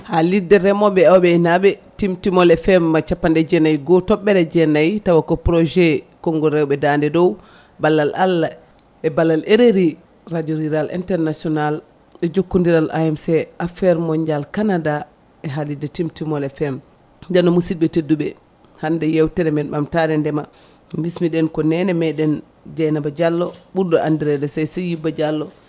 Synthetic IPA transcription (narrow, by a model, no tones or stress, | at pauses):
halidːɛɾɛmɔɓɛawɓɛinaɓɛtimtimɔlɛfɛmːat͡ʃapːandɛd͡ʒɛnajɡɔtɔɓːɛɾɛd͡ʒɛnajtawakɔpɾɔd͡ʒɛkɔŋɡɔɾɛwɓɛdandɛdɔw | balːalʔalːa | ɛbalːaleɾeɾi | ɾadiɔɾiɾalḭntɛɾnasiɔnal | ɛd͡ʒokːundiɾalʔa̰jɛmsɛafɛɾmɔɲd͡ʒalkanada | ɛɦalidɛtimtimɔlɛfɛm | d͡ʒanɔmusid̚ɓɛtedːuɓɛ | handɛjɛwtɛɾɛmɛnmamtaɾɛndɛma | mismiɗɛnkɔnɛnɛmɛɗɛn | d͡ʒajnabad͡ʒalːɔɓuɾdɔʔandiɾɛdɛsajsɛjibːad͡ʒalːɔ